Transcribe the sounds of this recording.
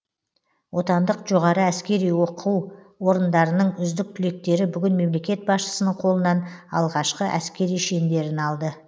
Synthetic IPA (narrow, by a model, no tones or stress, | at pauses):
wʔo̞t̪ɑnd̪əqʒo̞ʁɑɾəæskʲe̞ɾijwo̞qʰuw | wo̞ɾənd̪ɑɾənəɴʏzd̪ɪk̚t̪ʰʏle̞k̚t̪e̞ɾɪbʏɡʲɪnme̞mle̞kʲe̞t̪̚bɑsʃə̥sənəɴqʰo̞lˠənɑnɑ̰lˠʁɑʃqəʔæskʲe̞ɾijʃe̞nd̪e̞ɾɪnɑlˠd̪ə